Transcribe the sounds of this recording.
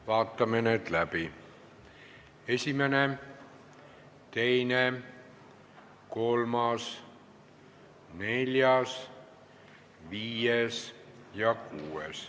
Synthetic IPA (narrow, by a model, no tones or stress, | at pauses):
ʋɑːt̪ːɑmenet̪læpi | esʲimæne | t̪eine | kolmɑs | nelʲjɑs | ʋiːjes | jɑkuːes